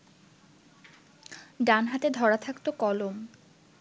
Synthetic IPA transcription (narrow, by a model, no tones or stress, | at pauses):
ɖanɦat̪ed̪ʱɔɾat̪ʰakt̪okɔlom